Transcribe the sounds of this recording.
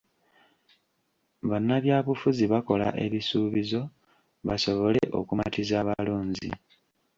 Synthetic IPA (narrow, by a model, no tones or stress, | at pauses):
βanːaβjaːβufuziβako̞la̰ʔe̞βisuːβizo̞ | βaso̞βo̞le̞ʔo̞̰kuma̰tizaːβaloːɲzḭ